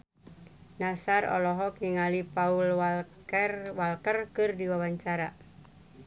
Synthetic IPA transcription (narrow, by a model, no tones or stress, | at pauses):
nasaɾɔ̰lɔɦɔkiŋalipaulwal | ɛrwalkərkɨrdiwawaɲt͡ʃaɾa